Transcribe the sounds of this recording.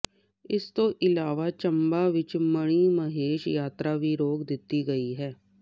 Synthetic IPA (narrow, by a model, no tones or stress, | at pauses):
ɪst̪õːʔɪlaːʋaːt͡ʃəmbaːʋɪt͡ʃməɽ̃iːməɦeːʃjaːt̪ɾaːʋiːɾoːkd̪ɪt̪ːiːɡəiːɦɛː